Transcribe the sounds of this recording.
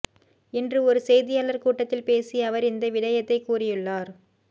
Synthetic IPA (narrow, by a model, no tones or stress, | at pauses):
ɛndrɯɔɾɯsɛjðɪjaːlɐɾkuːʈːɐt̪ːɪlpeːsiɐʋɐɾɪnd̪ɐʋɪɽɐjɐt̪ːɐɪkːuːrɪjɯɭːaːɾ